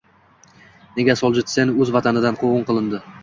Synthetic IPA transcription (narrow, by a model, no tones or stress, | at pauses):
ne̞ɡʲasɒlˠd͡ʒɪt̪senɵzvat̪ʰanɪd̪anqʰoʁɨɴqɨlˠɪnd̪ɪ